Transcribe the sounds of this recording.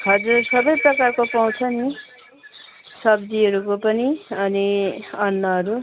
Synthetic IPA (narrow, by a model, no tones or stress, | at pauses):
ɦʌd͡zursʌbʌjprʌkarkopaw̃t͡sʰʌni | sʌb̚d̪iɦʌɾukopʌniʌniʌnːʌɦʌɾu